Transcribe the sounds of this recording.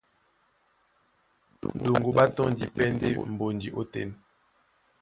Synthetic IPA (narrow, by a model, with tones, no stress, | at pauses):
do˨ŋɡo˨ba˦tɔ˦n˦di˨pɛ˦n˦dḛ˦m̩˨bo˨ndi˨ʔo˦tɛ̰˦˨n